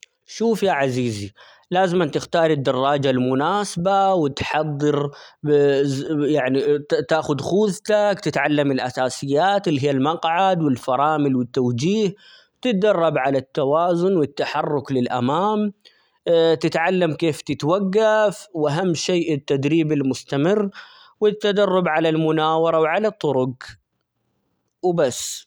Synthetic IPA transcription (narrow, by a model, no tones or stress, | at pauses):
ʃuːfjaʕaziːzi | laːzɪmʔant̪ɪxt̪ɑːɾˤɪd̪ːɑrˤːɑːd͡ʒalmʊnaːsbawɪt̪ħɑðˤːɨɾ | jaʕnit̪aːxʊd̪xuːðt̪akt̪ɪt̪ʕalːamɪlʔasaːsɪjːaːt̪ɪlːiɦijːalmɑqʕad̪wɪlfɑɾˤɑːmɪlwɪt̪ːawd͡ʒiːh | t̪ɪt̪̚d̪ɑrˤːɑbʕalat̪ːawaːzʊnwɪt̪ːaħɑrˤːʊklɪlʔa̰maːm | t̪ɪt̪ʕalːamkeːft̪ɪt̪waɡːafwʔaɦamːʃeːʔɪt̪ːad̪ɾiːbɪlmʊst̪amɪrː | wɪt̪ːad̪ɑrˤːʊbʕalalmʊnaːwɑɾˤɑwʕalat̪ˤːʊɾʊɡ | wbasː